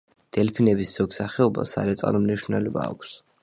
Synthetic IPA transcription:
d̪̥ɛlpʰinɛbisz̥ɔɡsaχɛɔba̰sa̰ɾɛt̪sʼa̰lɔmniʃɾnɛlɛba̰ːkʷʰs

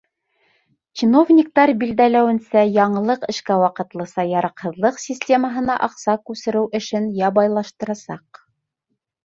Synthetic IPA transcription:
t͡ɕino̞vnʲik̚t̪ɑɾbild̪ælæwɘ̆nsæjɑɴɤ̆lˠɤqɘ̆ʃkæwɑqɤ̆t̪lˠɤ̆sɑjɑɾɑqhɤ̆ðlˠɤqsʲisʲtʲe̞məɦɤ̆nɑʔɑqsɑkʉsɘ̆ɾɘwʔɘ̆ʃɘnjɑbɑjlˠɑʃt̪ɤ̆ɾɑsɑq

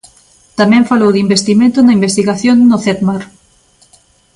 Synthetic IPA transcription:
t̪amɛ̃ɱfalowðimbest̪imẽnt̪ʊnɐimbest̪iɣaθjonnʊθet̪maɾ

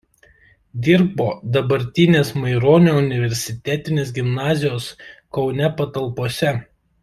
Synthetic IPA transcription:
d̪ʲɪɾboːd̪ɐbɐɾʲt̪ʲɪnʲeːsmɐɪɾoːnʲoʊnʲɪʋʲɛɾʲsʲɪt̪ʲæt̪ʲɪnʲeːs̬ɡʲɪmnɑːzʲɪjoːskɒʊnʲɛpɐt̪ɐlˠpoːsʲɛ

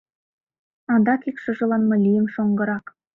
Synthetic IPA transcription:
ɑnd̪ɑkikʃɤ̆ʒɤ̆lɑnmɤlʲijə̆mʃoŋɡɤ̆ɾɑk

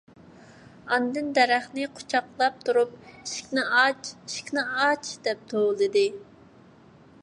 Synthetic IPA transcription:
ɑnd̪ɨnd̪ɛɾæχnɪqʰo̥t͡ʃʰɑqlˠɑp̚t̪ʰuɾup̚iʃkʲnɪɑt͡ʃiʃkʲnɪɑt͡ʃʰd̪̥ɛp̚t̪ʰolˠɨd̪ɨ

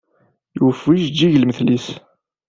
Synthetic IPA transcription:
jufiʃd͡ʒːiʝəlməθlis

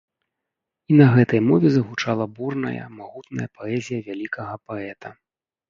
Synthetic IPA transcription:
inɐɣɛt̪ɐjmɔvʲɛzɐɣut͡ʂalˠɐburnɐ̰jɐ̰maɣut̪nɐ̰jɐpɔɛzʲijɐvʲalʲikʰɐɣɐpaɛt̪ʰɐ

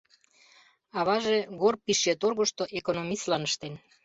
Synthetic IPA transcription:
ɑβɑʒeɣorpiʃjet̪orɣoʃt̪oʔekonomislɑnəʃt̪en

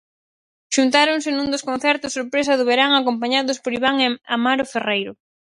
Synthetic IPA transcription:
ʃunt̪aɾoŋsɪnũnd̪oskõnθɛɾt̪ʊsoɾpɾesɐðʊβeɾaŋakompaɲaðʊspoɾiβaŋamaɾoferejɾʊ

